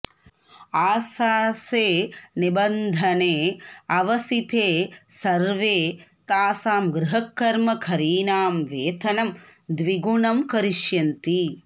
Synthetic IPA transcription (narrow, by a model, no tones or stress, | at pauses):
aːsaːseːnibɐnd̪ʱɐneːɐʋɐsit̪ʰeːsɐɾʋeːt̪aːsaːmɡɾuɦɐkːɐɾmɐkʰɐɾiːnaːmʋeːt̪ʰɐnɐmd̪ʋiɡunɐmkɐɾiʃjɐnt̪i